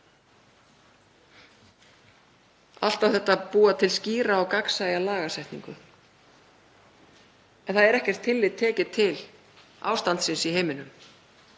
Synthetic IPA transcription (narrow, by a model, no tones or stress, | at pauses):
a̰l̥t̪awθɛht̪ːapuːat̪ʰɪlsciːɾaːwkaksajalaːɣasajht̪nḭŋkʏ | ɛnθaðɛɾɛhcɛr̥t̪ʰːɪlːɪðt̪ʰːɛːcɪt̪ʰɪl | a̰ːwst̪ant̪sɪnsiɦejmɪnʏm